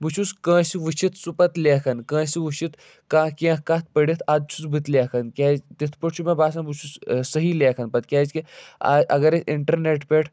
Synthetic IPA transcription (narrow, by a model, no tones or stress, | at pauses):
but͡ʃʰuskə̃ːsiʋɨt͡ʃʰit̪supɐt̪leːkʰɐnkə̃ːsiʋut͡ʃʰit̪ | kãːkʲẽkaːt̪̚ʰpəɽit̪ʰad̪̚t͡ʃʰut͡sbʱɨt̪lekʰɐnkʲaːzt̪it̪ʰpəʈʰt͡ʃʰumẽbaːsɐ̃but͡ʃʰussəɦileːkʰɐnpɐt̪kʲaːzkia̰ːʔɐɡɐɾeiɳʈɐɾneʈpeʈʰ